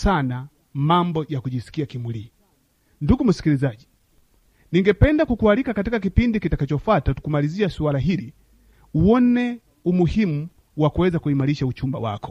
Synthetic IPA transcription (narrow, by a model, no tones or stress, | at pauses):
sana | mambɔjakuʄisi̥kiakimwili | nduɡum̩si̥kilizaʄi | niŋɡɛpɛndakukualikakatikakipindikitakat͡ʃɔfwatatu̥kumaliziasualaɦili | uwɔnɛ | umuhimu | wakuwɛzakuimaliʃaut͡ʃumba̰wa̰kɔ̥